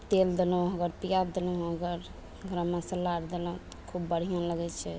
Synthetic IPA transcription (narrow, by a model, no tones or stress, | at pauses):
t̪eld̪elɔ̃ɦəɡəɾpijad̪eləəɡəɾ | ɡɾəmːãsəlaɾd̪elɔ̃t̪kʰubːəɽ̤ijãləɡɛt͡ʃʰɛ